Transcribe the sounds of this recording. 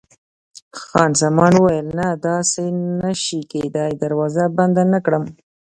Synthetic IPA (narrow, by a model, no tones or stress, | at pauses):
xɑnzamɑnwəwajəlnad̪ɑsenaʃiked̪ɑjd̪aɾwɑzaband̪anakɽəm